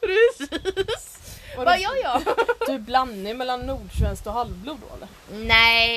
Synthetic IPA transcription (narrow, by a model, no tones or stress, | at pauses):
pɾɛs | vaajɑjɑɵæblanːɪŋmɛlːanːuːɖʂvɛnskt̪ɔɦalvbluːd̪o̰ːɛ̰lːəɾnɛ